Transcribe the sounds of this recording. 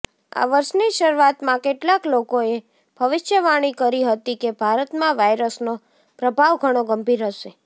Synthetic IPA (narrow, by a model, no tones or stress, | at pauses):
a̰ʋəɾʃniʃəɾuat̪mãkeʈlaklokoe | b̥ʱəʋɪʃjəʋaɽ̃ikəɾiɦət̪ikebʱaɾət̪mãʋajɾəsno | pɾəbʱaʋɡʱəɽ̃oɡəmbʱiɾɦəʃe